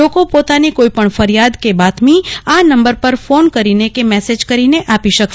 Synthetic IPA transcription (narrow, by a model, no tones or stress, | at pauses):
okopot̪anikoipəɳfəɾjad̪kebat̪mianəmbəɾpəɾfonkəɾinekemɛsed͡ʒkəɾineʔapiʃək